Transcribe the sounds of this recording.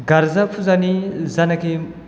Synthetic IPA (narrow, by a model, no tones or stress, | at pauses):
ɡɐɾzɐpʰuzanizɐnɐke